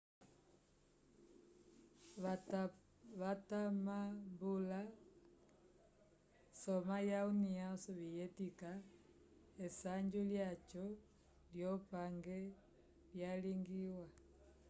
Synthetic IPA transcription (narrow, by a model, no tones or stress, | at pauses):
βatamambula | sɔmajauniasɔβijɛtika | ɛsaɲd͡ʒuljat͡ʃɔ | ljɔpaŋɡɛ | ljaliŋɡiwa